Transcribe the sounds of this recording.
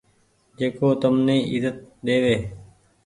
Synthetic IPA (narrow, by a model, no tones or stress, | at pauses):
d͡ʒeːkoːt̪əmnẽːʔɪzət̪̚ɗeːʋeː